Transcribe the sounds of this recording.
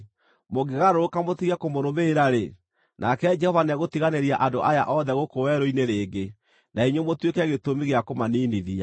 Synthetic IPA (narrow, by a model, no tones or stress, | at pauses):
moɡeɣaɾoɾokamotiɣakomoɾoβeːɾaɾe | nʔakɛd͡ʒɛhɔvanaɣotiɣaneɾiaʔandoʔaja̰ʔɔðɛɣokowɛɾoineɾeːɡe | naiɲwomotwekɛɣetomiɣeakomaniːniðia